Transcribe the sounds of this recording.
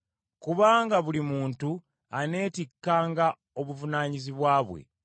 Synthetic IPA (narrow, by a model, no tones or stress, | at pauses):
kuβaːŋɡaβulimuːntu | ane̞ːtikːaːŋɡa | o̞βuvunaːɲiziβwaːβwḛ